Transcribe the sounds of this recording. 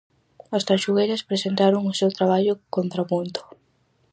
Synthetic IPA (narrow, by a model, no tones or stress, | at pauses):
ɐst̪aʃuɣejɾɐspɾesent̪aɾʊŋʊsewt̪ɾaβ̞aʎʊkont̪ɾapunt̪ʊ̥